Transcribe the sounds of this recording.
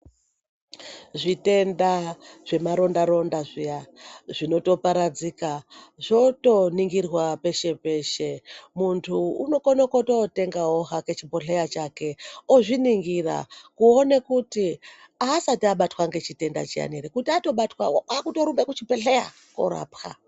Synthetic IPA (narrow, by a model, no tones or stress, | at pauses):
ʐite̞ndaʐ̥e̞maɾo̞ndaɾo̞ndaʐijaʐino̞to̞paɾad͡ziːkaʐo̞to̞niŋɡirwape̞ʃe̞pe̞ʃe̞muntʰuːno̞konokotote̞ŋɡaoɦaket͡ʃipo̞ɬejat͡ʃake̞oʐiniŋɡira̰kuonekuti | asatiaɓatwaŋɡe̞t͡ʃite̞nda̰t͡ʃia̰neɾekutiato̞ɓatwaakuto̞ɾumbekut͡ʃipeɬeja | ko̰ɾa̰ːpxa̰